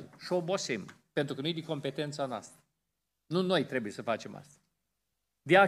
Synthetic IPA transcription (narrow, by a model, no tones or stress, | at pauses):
ʃo̞bo̞sempent̪ɾukənujd̪iŋko̞mpe̞t̪e̞nt̪sanoa̰st̪ɾə | nuno̞jt̪ɾe̞buje̞səfat͡ʃe̞mʔa̰st̪a | d̪ea